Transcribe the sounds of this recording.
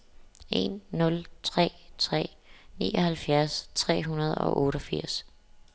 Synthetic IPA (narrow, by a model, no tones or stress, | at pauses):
e̝nːɔ̽lt͡sʰʁɛ̰ːt͡sʰʁɛ̰ː | nḭːɒhælfjæɐst͡sʰʁɛ̰ːɦunɐð̞ˠɒ̽ʔɔ̽ːɾ̥ɒfiɐ̰s